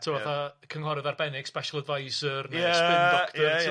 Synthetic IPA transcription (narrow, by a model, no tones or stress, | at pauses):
tʰɪwaθakʰəŋɦɔɾɪðarbɛnɪɡ̥spɛʃəlˠədvajsərnsɪnɔkʰtɔ